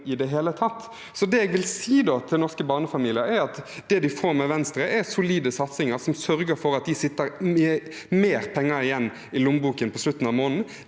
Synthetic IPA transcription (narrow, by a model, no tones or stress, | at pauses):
ɪd̪ɛɦeːlət̪ʰɑt̪ː | sɔd̪ɛɛɡʋɪlsiːd̪ot̪ʰɪlnɔʁskəbɑːʁnəfɑmiːlɪəɾæɾɑt̪d̪̥ɛd̪ɪfoːɾmɛʋɛnst̪ɾəʔɛɾsʊliːd̪əsɑt̪sɪŋəɾsɔmsœɾɡəɾfɔɾɑt̪̚d̪ɪsɪt̪ːəɾ | meːɾpʰɛŋːəɾɪjɛnː | ɪlʊmbuːkənpʰɔslʉt̪ːn̩ɑʋmoːnn̩